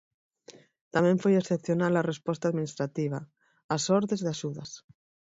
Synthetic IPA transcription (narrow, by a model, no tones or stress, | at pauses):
t̪amẽɱfojesθepθjonalarespost̪aðminist̪ɾat̪iβ̞a | asoɾðezðeaʃuðas